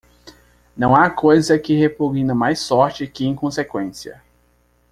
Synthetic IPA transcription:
nɐ̃w̃akojzɐkɪhepoɡĩnɐmajsɔɾt͡ʃɪkɪẽkõsekwẽsiɐ̰

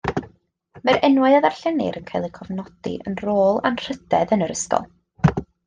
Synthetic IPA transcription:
mɛɾɛnwaɨaðarɬɛnɪ̰ɾənkʰajlˠikʰɔvnɔd̥ḭʔə̰nroːlˠanr̥ədɛðənəɾəskɔ̰lˠ

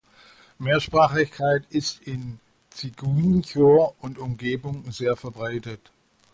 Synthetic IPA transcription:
meːɐʃpʁ̥aːχɪçkʰaɪtɪstɪn | t͡siɡuːnçoʊntʊmɡeːbʊŋzeːɐfɛɐbʁaɪtət

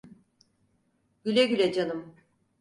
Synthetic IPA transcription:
ɟylʲɛɟylʲɛd͡ʒanɯm

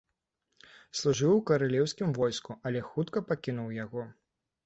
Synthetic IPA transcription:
slˠuʐɨwukɐɾalʲɛwsʲkʲimvɔjskuɐlʲɛxut̪kɐpakʲinuwjaɣɔ

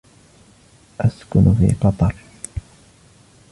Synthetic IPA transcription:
ʔaskʊnfḭːqɑt̪ˤɑɾˤ

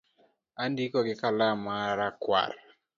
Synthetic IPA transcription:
andikɔɡɪkalamaɾakwa̰r

